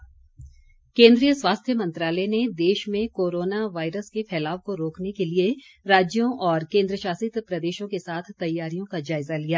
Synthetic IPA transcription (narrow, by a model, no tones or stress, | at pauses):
kẽːnd̪ɾijəswaːst̪ʰjəmɐ̃nt̪ɾaːlɛned̪eːʃmẽkoːɾoːnaʋaːɪɾəskefɛːlaːʋkoɾoːknekelie | ɾaːd͡ʒjõʔɔːɾkẽːnd̪ɾəʃaːsɪt̪pɾɐd̪eːʃõkesaːt̪ʰt̪ɐjːaːɾijõkad͡ʒaːɪzalijaː